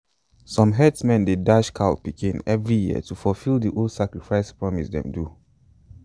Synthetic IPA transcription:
sɔ̃mɦɛdsmɛ̃ndedaʃkʰaʊpikʰĩnɛvɹijiə̰tufɔlfilˠdiʔoldsakɹifaɪspɹɔmisdɛ̰̃mdu

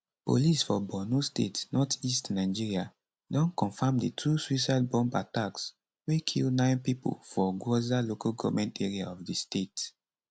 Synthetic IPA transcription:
po̰lisfɔbɔnustetnɔtistnaɪd͡ʒiɹia | dɔ̃nkɔ̃nfãmditʰuswisaɪd̚bɔ̃mba̰taks | wekʰḭlnãɪnpipo̰lfɔɡozalokalɡɔvmɛ̃nteɹiaɔfdistet

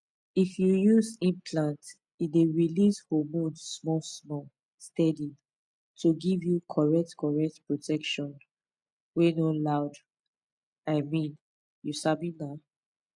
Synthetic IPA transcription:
ifjujuzĩmpʰlãnt | ideɹilishomudsmɔsmɔ | stɛdi | tʰuɡivjukʰɔɹɛk̚tkʰɔɹɛk̚tpɹotʰɛkʃɔ̃n | wenolaʊd | aɪmĩn | jusabĩna

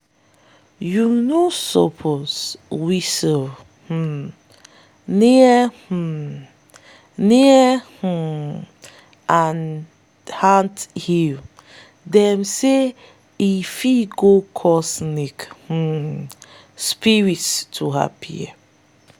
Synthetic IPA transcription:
junosɔ̰pʰozwisəl | h̩ | niəh̩ | niəh̩ | ãn | hãnthil | dɛmse | ifiɡokʰɔsnikh̩ | spiɹitstʰuɦa̰pʰḭɛ̰

